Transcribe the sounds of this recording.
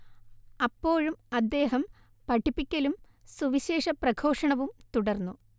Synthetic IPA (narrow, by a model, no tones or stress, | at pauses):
ɐpːo̞ːɻumɐd̪ːe̞ːɦɐm | pɐʈʰːipːikʲːɐlum | suʋiɕe̞ːʂɐprɐɡʰʱo̞ːʂɐɳɐʋumt̪uɽɐrnːu